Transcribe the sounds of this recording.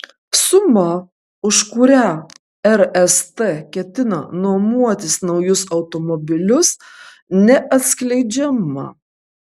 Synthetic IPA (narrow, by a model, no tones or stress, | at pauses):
sʊmɐ | ʊʃkʊɾʲæ | ɛɾɛst̪ɛkʲɛt̪ʲɪnɐnuɔmuɔt̪ʲɪsnɒʊjʊsɐʊt̪ɔmɔbʲɪlʲʊs | nʲɛʔɐt̪ʲsʲklʲɛɪd͡ʒʲɛmɐ̰